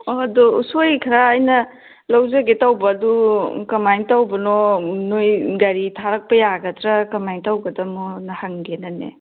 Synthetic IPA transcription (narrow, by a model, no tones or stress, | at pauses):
ɔdɔusojkʰɐɾaːjnɐ | lawzɐɡetawbɐːdukɐmajŋtawbɐnɔnojɡɐɾitʰaɾɐk̚pɐjaɡɐtʰɾɐkɐmajŋtawɡɐdɐmɔnɐhaŋɡenɐnḛ